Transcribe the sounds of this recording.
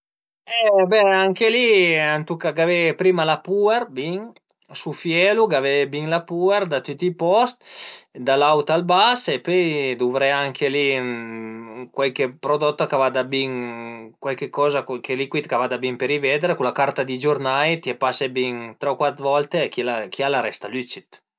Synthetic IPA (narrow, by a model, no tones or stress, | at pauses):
ɛbɛaŋkeliant̪ukaɡavɛpɾimalapueɾbiŋ | sufjɛluɡavɛbiŋlapueɾd̪at̪yt̪ːipɔst̪d̪alawt̪albasepøjd̪uvɾɛaŋkeli | kwalkepɾod̪ɔt̪ːakavad̪abiŋkwalkekɔzakkelikwit̪kavad̪abiŋpeɾivɛd̪ɾekulakaɾt̪ad̪id͡ʒuɾnajt̪iɛpasebiŋt̪ɾɛwkwat̪ɾvɔlt̪ekilakialaɾɛst̪alyt͡ʃit̪